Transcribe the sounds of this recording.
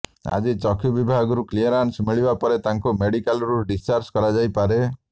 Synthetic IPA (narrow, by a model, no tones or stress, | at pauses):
a̰d͡ʒit͡ʃɔkʰjubibʱaɡɔɾukliɔɾansmiɭibapɔɾet̪aŋkumeɽikalɾuɖist͡ʃaɾskɔɾad͡ʒajpaɾe